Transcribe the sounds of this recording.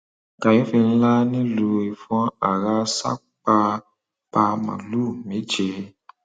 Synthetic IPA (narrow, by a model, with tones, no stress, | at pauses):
ka˨je˨˦fi˧n̩˦la˦nĩ˦lu˧i˨fɔ̃˦a˨ɾa˦sa̰˦ | k͡pa˧ | k͡pa˧mã̰˨lu˦˨mĩ˨˦d͡ʒe˧